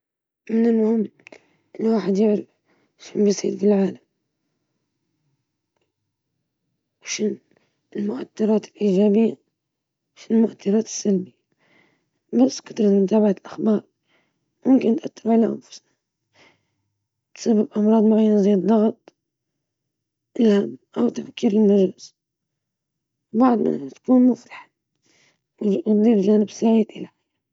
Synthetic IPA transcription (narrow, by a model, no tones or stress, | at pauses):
mɪnɪlmʊhɪmː | ʔɪnːwaːħɪd̪jɪʕɾaf | ʃɪnbisˤḭːd̪bɪlʕaːlam | wʃɪn | ɪlmʊʔat̪ːɑɾˤɑːt̪ɪlʔiːd͡ʒaːbɪjːa | wʃɪnɪlmʊʔat̪ːɑɾˤɑːt̪ɪ̥sːalbɪja | basːkʊ̥t̪ɾˤɑt̪mʊt̪aːbaʕalʔaxbɑːɾˤ | mʊmkɪnt̪ʔat̪ːɪɾʕalaʔa̰nfʊ̥sa | t̪sabːɪbʔɑmɾˤɑːd̪ˤmaɣajːanzˤiːd̪lɑɣt̪ˤ | ʔɪlhamʔawt̪ːafkiːɾɪlmaʒlɪs | wbaʕd̪ˤma̰at̪kuːnmʊfɾɑħḁ | wðˤiːfʒaːnɪbsaʕiːd̪ʔɪlaj